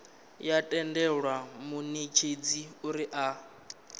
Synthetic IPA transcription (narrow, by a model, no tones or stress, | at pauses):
jatʼɛndɛɺwamunit͡ʃʰed͡ziuɾiʔa